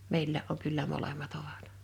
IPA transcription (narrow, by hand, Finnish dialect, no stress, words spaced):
meilːæːʔ ʔoŋ kylːæ molemˑɑt oʋɑt